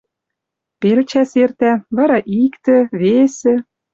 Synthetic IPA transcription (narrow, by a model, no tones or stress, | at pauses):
pelt͡ɕæsert̪æβɑɾɑʔikt̪ɘ̆βesɘ̆